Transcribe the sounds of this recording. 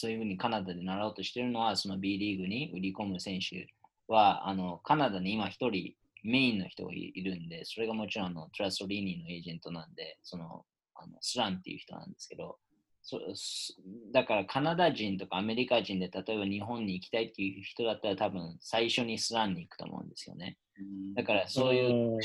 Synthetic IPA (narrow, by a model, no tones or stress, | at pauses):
so̞ːjɯ̟ɸɯ̟ːɲ̟ikanad̪ad̪enaɾao̞ːt̪oɕi̥t̪e̞ɾɯ̟no̞βaso̞no̞bʲiːɾʲiːɡɯ̟ɲ̟iɯ̟ɾʲiko̞mɯ̟sẽ̞ɰ̃ɕɨ̰ | βaa̰no̞kanad̪aɲ̟iimaçi̥t̪o̞ɾʲi | me̞ĩnːo̞̰çi̥t̪o̞̰ɡa̰ḭiɾɯ̟̃nd̪e̞so̞ɾe̞ɡamo̞t͡ɕiɾõ̞ano̞t̪oɾaso̞ɾʲiːnʲino̞e̞ːʑẽ̞nt̪o̞nãnd̪e̞so̞no̞̰ | a̰no̞̰sɨɾãnt̪ːe̞jɯ̟çi̥t̪o̞̰nã̰nd̪e̞sɨ̥ke̞d̪o̞ | so | d̪akaɾakʰanad̪aʑĩnt̪o̞kaːme̞ɾʲikaʑĩnd̪et̪at̪o̞e̞baɲ̟iɦõ̞ɲ̟ːiːkʲi̥t̪ait̪ːejɯ̟çi̥t̪o̞d̪at̪ːaɾat̪abɯ̟̃ɰsaiɕo̞ɲ̟isɨɾãɲ̟ːiːkɯ̥t̪o̰mo̰ɯ̟̰̃nd̪e̞sɨjo̞̰ne̞ | d̪akaɾaso̞ːjɯ̟ː